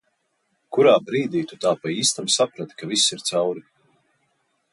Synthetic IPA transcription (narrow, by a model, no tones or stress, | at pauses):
kuɾaːbɾiːd̪iːt̪ut̪aːpaiːst̪amsapɾat̪kavisiɾt̪sawɾi